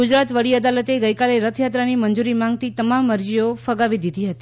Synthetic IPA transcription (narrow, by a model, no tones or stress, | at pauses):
ɡud͡ʒɾat̪ʋəɽiəd̪alət̪eɡəjkaleɾət̪ʰjat̪ɾanimənd͡ʒuɾimãŋɡt̪it̪əmamːəɾd͡ʒijofəɡaʋid̪id̪iɦət̪i̥